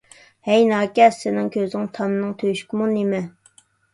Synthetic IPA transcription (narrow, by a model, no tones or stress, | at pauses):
hɛjnɑːkʲɛsːɪnɪŋkʲʰøzɪŋt̪ʰɑmnɨŋt̪ʰøjʃkʲmunemɛ